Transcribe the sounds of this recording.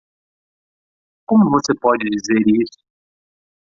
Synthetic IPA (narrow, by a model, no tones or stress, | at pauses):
kõmʊvosepɔd͡ʒɪd͡ʒizeɾisʊ̥